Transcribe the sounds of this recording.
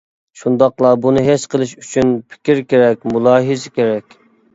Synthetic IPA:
ʃund̪ɑqlˠɑbunɨɦet͡ʃqʰəlˠɨʃyt͡ʃʰynpʰɪ̥kʲiɾkʲeɾɛkʲmulˠɑːɦɨzɨkʲeɾɛkʲ

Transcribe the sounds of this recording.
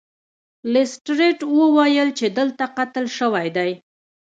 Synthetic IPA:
lɪsʈɾeʈwəwajəlt͡ʃed̪əlt̪aqat̪əlʃəwajd̪aj

